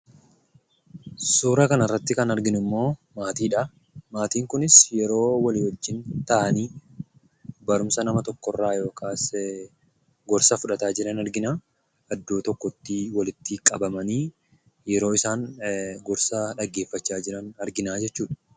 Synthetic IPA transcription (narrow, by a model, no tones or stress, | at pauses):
suːɾɐkɐnɐrːɐt̪ːɪkɐnɐɾɡɪnɪmːo̞ːmaːt̪iːᶑɐ | maːt̪iːŋkʊnɪsjɛɾo̞ːwɐlɪwɔd͡ʒːɪnt̪ɐʔɐniː | bɐɾʊmsɐnɐmɐt̪ɔkːɔrːaːjo̞ːkaːs | ɡɔɾsɐfʊᶑɐt̪aːd͡ʒɪɾɐnɐɾɡɪnaː | ɐd̪ːoːt̪ɔkːɔt̪ːiwɐlɪt̪ːɪkʼɐ̰bɐmɐniː | jɛɾo̞ːɪsaːŋɡɔɾsɐᶑɐɡːe̞ːfːɐt͡ʃːaːd͡ʒɪɾɐnɐɾɡɪnaːd͡ʒɛt͡ʃːuːᶑɐ̥